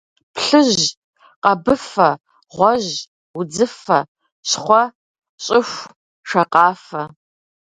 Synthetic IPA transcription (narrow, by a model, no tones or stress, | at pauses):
pʰɬɨʑ | qɐbɨfɐ | ʁʷɔʑ | d͡zɨfɐ | ɕχʷɔ | ɕʼɪxʷ | ʂɐqɑːfɐ